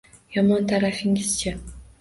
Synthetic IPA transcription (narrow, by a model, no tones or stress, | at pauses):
jɒmɒnt̪ʰaɾafɪŋʲɪz̥t͡ʃʰa